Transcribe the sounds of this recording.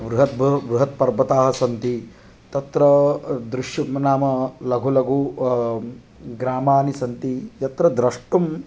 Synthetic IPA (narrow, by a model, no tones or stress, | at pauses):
ʋɾuɦɐt̪bʋɾuɦɐt̪̚pɐɾbɐt̪aːɦɐsɐnt̪i | t̪ɐt̪ɾɐd̪ɾuʃjunaːmɐlɐɡʱulɐɡʱu | ɡɾaːmaːnisɐnt̪ijɐt̪ɾɐd̪ɾɐʂʈum